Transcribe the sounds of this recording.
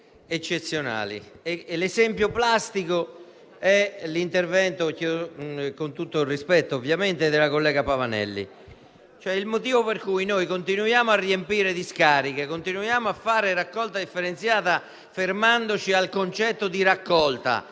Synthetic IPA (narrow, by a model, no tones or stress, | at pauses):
et͡ʃːet̪sːjona̰ːlḭ | elesɛmpjoplast̪iko | ɛlint̪ervɛnt̪okokont̪ut̪ːorispɛt̪ːoovjament̪ed̪elakolːɛːɡapavanɛ̰lːḭ | t͡ʃoɛilmot̪iːvoperkujnojkont̪inujaːmoarːiempiːɾed̪iskaːɾikekont̪inujaːmoafːaːɾeɾakːɔlt̪ad̪ifːeɾent̪sjaːt̪a | fermand̪ot͡ʃialkont͡ʃɛt̪ːod̪iɾakːɔlt̪a̰